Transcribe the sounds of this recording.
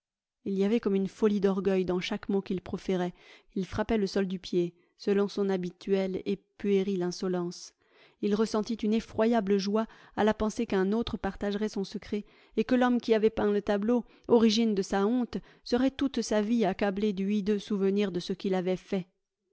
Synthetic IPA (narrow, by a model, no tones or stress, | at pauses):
ilijavɛkɔmynfɔlid̪ɔʁɡœjd̪ɑ̃ʃakmokilpχɔfeʁɛ | ilfχapɛləsɔld̪ypje | səlɔ̃sɔ̃nabit̪ʰyɛlepyeʁilɛ̃sɔlɑ̃s | ilʁəsɑ̃t̪it̪ynefχwajabləʒwa | alapɑ̃sekɛ̃not̪χəpaʁt̪aʒʁɛsɔ̃səkχɛ | ekəlɔmkʲiavɛpɛ̃lət̪ablo | ɔʁiʒind̪əsaɔ̃t̪ | səʁɛt̪ut̪saviakabled̪yid̪øsuvəniʁd̪əsəkʲilavɛfɛ